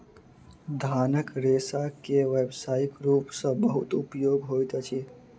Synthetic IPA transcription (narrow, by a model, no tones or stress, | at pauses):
d̪ʱaːnəkɾeːsakeʋeːbsaːikɾuːpsə̃bəɦʊt̪ʊpjoːɡɦoːjt̪ət͡ʃʰi